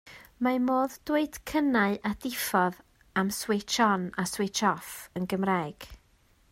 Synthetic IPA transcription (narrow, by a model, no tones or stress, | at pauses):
mamoːðd̥weɨd̥kʰənaɨʔadɪfɔð | amswet͡ʃʰɔnaswet͡ʃʰɔfənɡəmraːɡ̥